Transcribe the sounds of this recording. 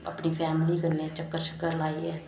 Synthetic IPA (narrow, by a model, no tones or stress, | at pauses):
ə̰pnipʰɛːmlikəɾnːet͡ʃəkːəɾsə̥kːəɾlaːiɛ